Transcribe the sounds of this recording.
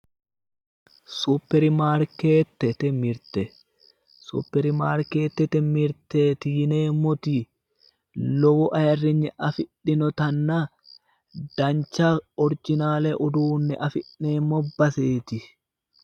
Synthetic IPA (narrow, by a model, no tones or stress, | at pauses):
supːɛɾɪmaːɾkeːt̪ːɛt̪ɛmɪɾt̪ɛ | sṵːpːɛɾɪmaːɾke̞ːt̪ːɛt̪ɛmɪɾt̪et̪iːneːmːɔt̪i | lɔwɔʔɐjɐrːɪɲːɛʔɐfɪᶑːɪnɔt̪ɐnːa | d̪̥ɐnt͡ʃːaɔɾd͡ʒɪnaːlɛʔʊd̪uːnːɛ̰ʔɐfɪᶑːeːmːɔbɐseːt̪ɪ